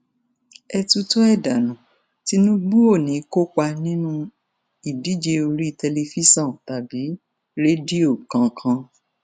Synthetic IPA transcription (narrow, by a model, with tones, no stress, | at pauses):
ɛ˧tu˧to˦ɛ˦˨da˨nũ˨ | ti˦nũ˦ɡ͡bu˦o˦˨nĩ˨˦ko˦k͡pa˧nĩ˦nũ˦ | i˦˨di˨˦d͡ʒe˧o˧ɾi˦i˦˨tɛ˧le˧fi˦sã˦˨ta˨bi˨˦ | ɾe˦di˦o˦˨kã˧kʰã˧